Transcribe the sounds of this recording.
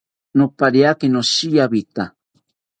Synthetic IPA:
nopaɾiakinoʃijaβit̪a

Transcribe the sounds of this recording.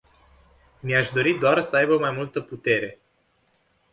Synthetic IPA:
miaʃd̪o̞ɾit̪̚d̪oarsəajbəmajmult̪əput̪e̞ɾe̞

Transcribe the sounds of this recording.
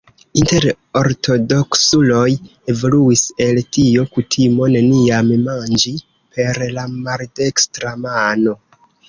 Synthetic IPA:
inte̞ɾ | o̞ɾtʰo̞do̞ksulo̞je̞voluise̞ltiokutʰimo̞ne̞niammand͡ʒi | pʰe̞ɾlamaɾde̞kstɾamano̞

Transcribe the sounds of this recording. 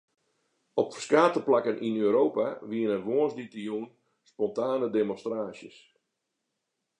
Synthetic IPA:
ɔpfərskaːtəplakənʔinøːɾoːpaʋiənənʋoənsditijuːn | spɔntaːnədemɔstraːsjəs

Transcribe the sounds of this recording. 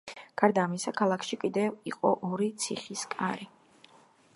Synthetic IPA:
ɡ̥aɾd̪aːmisakʰalˠakʰʃikʼid̪ɛviqʼɔʔɔɾit̪sʰḭχiskʼaɾi

